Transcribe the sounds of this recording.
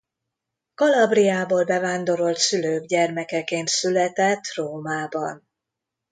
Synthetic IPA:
kɒlɒbrijaːboːlbɛvaːnd̪o̞ɾo̞lt̪syløːɡɟɛrmɛkɛkeːnt̪sylɛt̪ɛt̪ːroːmaːbɒ̰n

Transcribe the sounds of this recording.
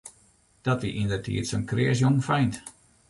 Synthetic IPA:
d̥ɔtʋiʔindərtʰḭətsonkrɪəs̬joŋfɛjnt

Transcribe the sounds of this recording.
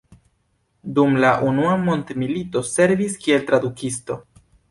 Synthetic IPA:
dumlaʔunuamo̞ntmilito̞se̞ɾviskie̞lt̪ɾadukisto̞

